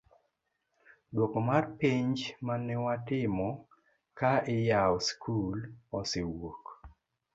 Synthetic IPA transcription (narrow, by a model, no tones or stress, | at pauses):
dwokomarpiɲd͡ʒmanɛwatɪmɔ | kaɪjaɔskʰulɔsewok